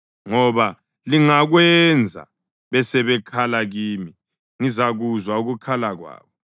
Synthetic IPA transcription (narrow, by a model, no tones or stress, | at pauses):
ŋɔβa | liŋaɣwɛnd͡zʱa̰ | βɛsɛβɛkʰalaɣiːmi | ŋizaɣuzwauɣukʰalaɣwa̰ːβɔ